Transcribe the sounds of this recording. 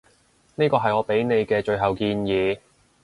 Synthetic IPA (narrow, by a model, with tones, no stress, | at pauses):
niː˥kɔː˧ɦɐ˨jŋɔː˨˧pe˨˥jne˨˧jkɛː˧t͡ʃɵ˧ɥɦɐ˨wkiː˧njiː˨˧